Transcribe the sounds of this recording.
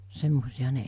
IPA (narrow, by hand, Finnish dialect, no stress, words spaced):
semːosij̆ɑhɑ̥ ne